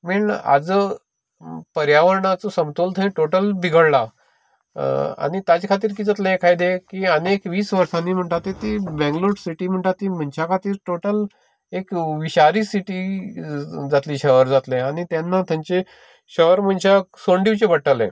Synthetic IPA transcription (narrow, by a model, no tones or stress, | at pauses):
miɳa̰d͡z | pəɾjaʋəɾɳat͡sosəmt̪olt̪ʰəĩʈoʈəlbʱiɡəɽla | a̰ñit̪at͡ɕkʰat̪iːɾk̬iːd͡zat̪laekʰajd̪ekiːənekʋiːsʋəɾsanːiːm̤əɳʈ̪at̪ːet̪ibɛ̃ŋɡloɾɽsiʈiːm̤əɳʈt̪at̪ːiːm̤ənt͡ɕʰakʰat̪iːɾʈoʈəl | ekʋiɕaɾiːsiʈi | d͡zat̪liːɕəɦəɾd͡zat̪leañit̪janːat̪jaɲt͡ɕe | ɕəɦɾm̤ənt͡ɕasoɳɖiwt͡ɕebəʈəlḛ̃